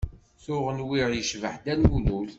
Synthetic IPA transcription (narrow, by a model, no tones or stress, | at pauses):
θʊʁənwiʁjəʃvəħd̪ænwulul